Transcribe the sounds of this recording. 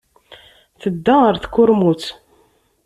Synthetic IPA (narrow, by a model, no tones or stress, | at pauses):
θəd̪ːaəɾθkːʊɾmut͡s